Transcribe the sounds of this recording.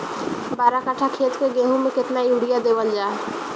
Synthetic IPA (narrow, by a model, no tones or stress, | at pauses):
baɾakaʈʰakʰet̪keɡeɦumeket̪naiuɽijad̪eʋəld͡ʒa